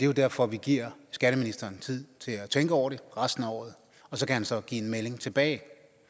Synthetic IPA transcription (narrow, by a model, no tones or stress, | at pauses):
d̥e̝jo̝d̥æɐ̰fɒ̽ʋiɡ̥iɐ̰sɡ̥æɾəminisd̥ɐːnt͡sʰið̰ˠt͡sʰe̝læt͡sʰeŋɡ̥əɒʊ̰ɐɾ̥e̝ʁasd̥n̩ɒ̰ʊð̩ˠ | ɒ̽sɒ̽kʰæhænsɒ̽ɡ̥ḭːe̝nmele̝ŋt͡sʰe̝b̥ɛ̰ːɪ